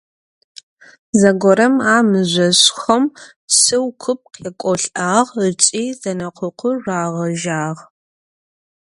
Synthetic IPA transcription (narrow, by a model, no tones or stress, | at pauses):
zɐɡʷɔɾɐmaːmɨʑʷɐɕxɐm | sɨwkʷʰʊp̚qʰjɛkʷʼɔɬʼaːʁət͡sʼiːzɐnɐqʷʰʊqʷʰʊraːʁɐʒaːʁ